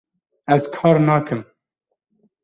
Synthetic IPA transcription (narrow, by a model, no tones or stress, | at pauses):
æzkʰɑːɾnɑːkʰɨm